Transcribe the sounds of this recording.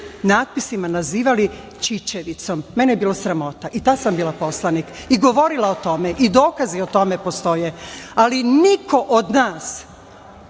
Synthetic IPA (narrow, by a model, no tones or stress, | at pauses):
naːt̪̚pisimanaziːʋali | t͡ʃit͡ɕeʋit̪so̞mːenejebiːlosɾamo̞t̪aʔit̪asambiːlapo̞slanikiɡo̞ʋo̞ɾilaot̪o̞meʔid̪o̞ːkaziot̪o̞me̞po̞st̪o̞jealinikʰo̞ʔod̪naːs